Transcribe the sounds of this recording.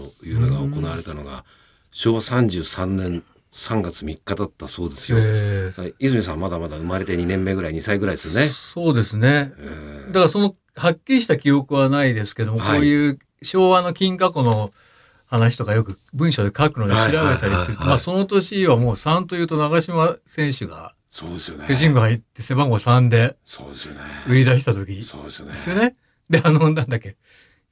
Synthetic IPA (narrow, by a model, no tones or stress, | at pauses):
ojɯ̟ːnoɡaokonaβaɾe̞t̪anoɡa̰ | ɕo̞ːβasãɲ̟d͡ʑɨːsãnːẽ̞n | sãŋɡat͡sɨmʲikːad̪at̪ːaso̞ːd̪e̞sɨ̥jaizɨmʲisãmmad̪amad̪aɯ̟maɾe̞t̪eɲinẽ̞mːe̞ːɡɯ̟ɾaiɲ̟isaiɡɯ̟ɾaid̪esɨoneso̞ːd̪e̞sɨne̞d̪akaaso̞no̞ | hakʲːiɾiɕ̬i̥t̪akʲio̞kɯ̟βanaid̪e̞sɨ̥ke̞d̪o̞mo̞ko̞ːjɯ̟ː | ɕo̞ːβano̞kʲĩŋkako̞no̞ | hanaɕ̬i̥t̪o̞kajo̞kɯ̟bɯ̟̃ɰ̃ɕo̞d̪e̞kakɯ̟nod̪iɕiɾaβe̞t̪aɾʲist̪eɾɯt̪maːso̞not̪o̞ɕiβamo̞ːsãnt̪o̞jɯ̟ːt̪o̞naɡaɕimasẽ̞ɰ̃ɕɨɡa̰ | soːd̪eskoʑĩŋɡoait̪ːe̞se̞bãŋɡo̞sãnd̪e̞soɯ̟ɾʲid̪aɕ̬i̥t̪at̪o̞kʲisodd̥̪e̞sɨjo̞ne̞ | d̪e̞anonãnd̪akʲːe̞